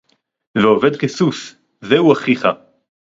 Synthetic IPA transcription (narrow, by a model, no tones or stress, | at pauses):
veove̞d̪kesus | zeuaχiχa